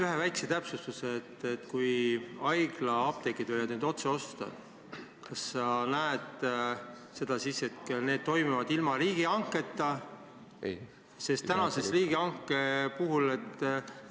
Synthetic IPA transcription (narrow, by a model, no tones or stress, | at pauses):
yɦe̞væjkset̪æpsust̪useːt̪ːet̪ːkujɑjɡ̥lɑɑb̥̚t̪ekːid̪vøjvɑd̪neːd̪o̞t̪seo̞st̪ɑ̰ | kɑsːɑnæed̪̥ | se̞d̪̥ɑsisːe̞t̪ne̞ːd̪̥̚t̪o̞jmuvɑd̪̥ilmɑɾiːɡ̥iɑŋkːˑe̞t̪ːˑɑ | se̞st̪ænɑse̞sriːɡ̥iɑŋkːepuɦule̞t̪ː